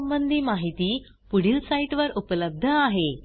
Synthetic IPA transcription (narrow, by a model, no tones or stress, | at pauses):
əmbənd̪ʱiːmaɦit̪iː | puɽ̤iːlsaiʈʋəɾʔupələb̚d̪ʱəaɦe